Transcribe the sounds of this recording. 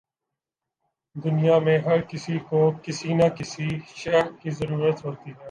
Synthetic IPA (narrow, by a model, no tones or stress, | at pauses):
d̪ʊnijamẽɦɐɾkɪsikokɪsinakɪsiʃɛkizɐɾuːɾət̪ɦoːt̪iɦɛː